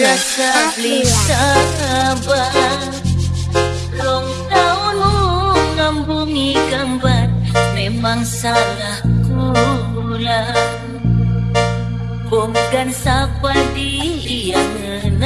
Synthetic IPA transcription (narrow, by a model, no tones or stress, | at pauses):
ɾasablisa | ba | lɔŋ | taunuŋambuŋiɡambat̪̚memaŋsanahku | la | boŋkansapadijaŋən